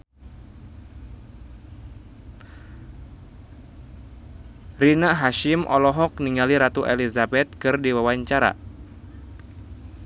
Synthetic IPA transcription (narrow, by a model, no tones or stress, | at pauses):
rinaɦaʃɪmʔɔ̰lɔɦɔk̚niŋaliɾat̪uʔelizabɛt̪̚kɨrdiwawaɲt͡ʃaɾa̰